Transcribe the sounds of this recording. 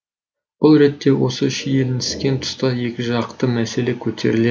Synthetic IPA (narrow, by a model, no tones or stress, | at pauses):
b̥ʊlˠɾe̞t̪ːe̞wo̞səʃijelɪnʰɪ̥skʲe̞nt̪ʰʊ̥st̪ɑje̞kʲɪʒɑqt̪əmæse̞le̞kʲʰɵt̪ʰe̞̰ɾɪle